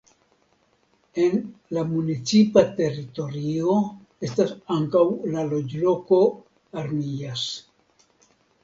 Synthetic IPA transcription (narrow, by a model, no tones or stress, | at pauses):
e̞nlamunit͡sipate̞ɾito̞ɾio̞ | e̞stasaŋkawlalo̞d͡ʒlo̞ko̞ | aɾmias